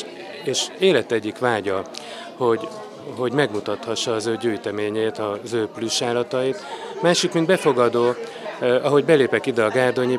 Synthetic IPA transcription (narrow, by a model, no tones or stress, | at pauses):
eːʃeːlɛt̪ɛɟːikʋaːɟɒ | ho̞ɟ | ɦo̞ɟmɛɡmut̪ɒt̪hɒʃːɒːzøːɟyːjt̪ɛmeːɲeːt̪ɒzøːpluʃaːlːɒt̪ɒit̪maːʃikmind̪bɛfo̞ɡɒd̪oː | ɒɦo̞ɟbɛleːpɛkid̪ɛɒɡaːrd̪o̞ɲi